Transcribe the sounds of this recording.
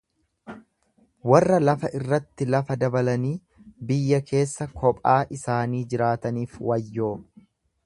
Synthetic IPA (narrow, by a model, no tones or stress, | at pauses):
wɐrːɐlɐfɐʔɪrːɐt̪ːɪlɐfɐd̪ɐbɐlɐniː | bɪjːɐkʰe̞ːsːɐkʰɔpʼaːʔɪsaːniːd͡ʒɪɾaːt̪ɐniːfwɐjːo̞ː